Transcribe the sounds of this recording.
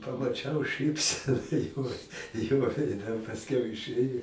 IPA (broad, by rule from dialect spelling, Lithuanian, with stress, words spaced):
pɐmɐˈt͡ʃʲɛʊ ˈʃɨpʲsʲɛnɐ joː joː ʋʲɛɪˈdʲɛ pɐsʲˈkʲɛʊ ɪˈʃɘjɛ